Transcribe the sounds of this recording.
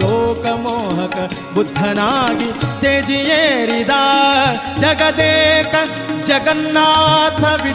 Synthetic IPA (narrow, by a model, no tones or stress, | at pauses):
oːkɐmoːɦɐkɐ | bud̪ʱːɐnaːɡit̪eːd͡ʒijeːɾid̪aː | d͡ʒɐɡɐd̪eːkɐ | d͡ʒɐɡɐnːaːt̪ʰɐʋi